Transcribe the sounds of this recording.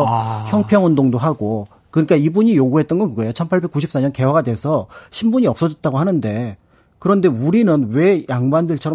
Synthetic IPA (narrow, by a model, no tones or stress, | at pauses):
çjʌŋpʰjʌŋundoŋdoɦaɡo | kɯɲik͈aibuɲijoɡuɦe̞t̚t͈ʌnɡʌnkɯɡʌejot͡ɕʰʌnpʰaɭbe̞k͈uɕʰip̚s͈aɲʌnke̞waɡadwe̞sʰʌɕʰimbuɲiʌp̚s͈ʌd͡ʑʌt̚t͈aɡohanɯnde̞ | kɯɾʌnde̞uɾinɯnwe̞jaŋbandɯɭt͡ɕʰʌɾʌ